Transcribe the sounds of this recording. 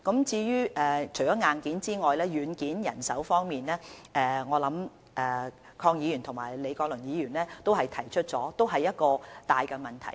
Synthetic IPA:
kɐ˨˥mt͡siː˧jyː˥ʔɛː˨t͡ʃʰɵ˨˩jt͡ʃɔː˨˦˥ŋaː˨nkiː˨˥nt͡siː˥ŋɔː˨jlɛː˥jyː˨˧nkiː˨˥njɐ̰˨˩nsɐ˨˥wfɔː˥ŋmiː˨nlɛː˥ʔɛː˨ŋɔː˨˧lɐ˨˥m | ʔɛː˨ | kʰɔː˧ŋjiː˨˧ɥyː˨˩nt̪ʰʊ˨˩ŋmaː˨˩jle˨˧jkɔː˧k̚lɵ˨˩njiː˨˧jyː˨˩nlɛː˥t̪o˥whɐ˨jt̪ʰɐ˨˩jt͡ʃʰɵ˥t̚t͡sɔː˨˥t̪o˥wɦɐ˨jːɐ˥t̚kɔː˧t̪aː˨jkɛː˧mɐ˨˩nt̪ʰɐ̰˨˩j

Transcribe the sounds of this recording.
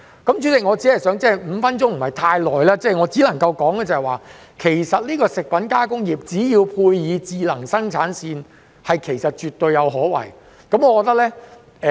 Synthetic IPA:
kɐ˨˥mt͡ʃy˨˥t͡sɪ˨kŋɔː˨˧t͡siː˨˥hɐ˨jsœː˨˥ŋt͡sɛː˥˩˨jm̩˨˧fɐ˥nt͡sʊ˥ŋm̩˨˩hɐ˨jt̪ʰaː˧jlɔː˨˩jlaː˥t͡sɛː˥˩ŋɔː˨˧t͡siː˨˦˥lɐ˨˩ŋkɐ˧wkɔː˨˥ŋɡɛ˨t͡sɐ˨ɛ˨jwaː˨˩ | kʰe˨˩jsɐ˨t̚liː˥kɔː˧sɪ˨k̚pɐ˨˥nkaː˥kʊ˥ŋjiː˨˩p̚t͡siː˨˥jiː˧wpʰuː˧jjiː˨˧t͡siː˨˧lɐ˨˩ŋsɐ˥ŋt͡sʰaː˨˥nsiː˧n | hɐ˨jkʰe˨˩jsɐ˨t̚t͡ʃyː˨˩t̪ɵ˧ɥjːɐ˨˧wɦɔː˨˥wɐ̰˨˩j | kɐ˨˥mŋɔː˨˧kɔː˧k̚t̪ɐ˥klɛː˥ | ɛ˨

